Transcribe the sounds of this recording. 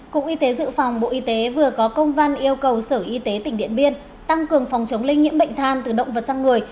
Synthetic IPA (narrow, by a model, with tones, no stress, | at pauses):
kʊ̰˧˩k̚ʔi˧t̪e˨˦zɨ̰˧˨fa˨˩wŋ͡mɓo̰˧˨ʔi˧t̪e˨˦vɨ˨˩əkɔ˨˦kə˧wŋ͡mva˧nʔi˧əwkə˨˩wsəː˧˩ʔi˧t̪e˨˦t̪ï̟˧˩ɗḭ˧˨ənɓi˧ən | t̪a˧ŋkɨ˨˩əŋfɔ˨˩wŋ͡mt͡ɕə˨˦wŋ͡mlï˧ŋ̟ːḭ˧˥əmɓə̰˧˨jŋ̟t̪ʰaː˧˩nt̪ɨː˨˩ɗə̰˧˨ŋ͡mvə˨˩t̚zaː˧ŋːɨ˨˩əj